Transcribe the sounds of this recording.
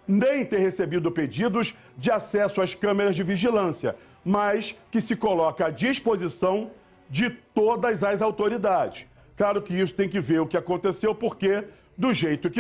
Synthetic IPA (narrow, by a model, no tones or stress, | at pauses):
nẽj̃t̪eɾhesebid̪ʊped͡ʒid̪ʊz | d͡ʒɪasɛsʊaskɐ̃meɾɐzd͡ʒɪviʒilɐ̃sjɐ̰ | mɐjskɪsɪkolɔkɐːd͡ʒiʃpozisɐ̃w̃ | d͡ʒɪt̪od̪ɐzɐzawt̪oɾid̪ad͡ʒɪs | klaɾʊkɪisʊ̥t̪ẽj̃k̬ɪveɾʊkɪakõnt̪esewpoɾke | d̪ʊʒejt̪ʊkɪ